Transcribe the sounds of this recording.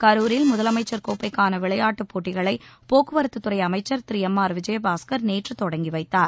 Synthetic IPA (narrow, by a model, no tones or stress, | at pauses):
kɐɾuːɾɪlmʊðɐlɐmɐɪt͡ʃːɐɾkoːpːɐɪkːaːnɐʋɪɭɐjaːʈːɯpːoːʈːɪɣɐɭɐɪpoːkːɯʋɐɾɯt̪ːɯt̪ːɯɾɐɪɐmɐɪt͡ʃːɐɾt̪ɪɾɪjɐmːaːɾʋɪd͡ʒɐjɐbaːskɐɾneːʈrɯt̪ːɔɽɐŋɡiʋɐɪt̪ːaːɾ